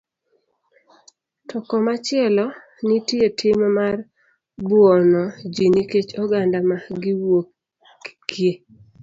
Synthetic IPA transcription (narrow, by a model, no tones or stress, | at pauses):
tʰɔkɔmat͡ʃɪɛlɔ | nitjetʰɪmmar | bwɔnɔd͡ʒiniket͡ʃɔɡandamaɡɪwok | kje